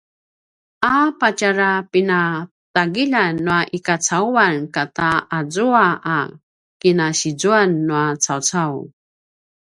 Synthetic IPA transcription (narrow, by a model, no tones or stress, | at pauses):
apat͡ɕaɾapina | taɡiʎanːuaʔikat͡sauankataad͡zuaa | kinaɕid͡zuanːuat͡sawt͡saw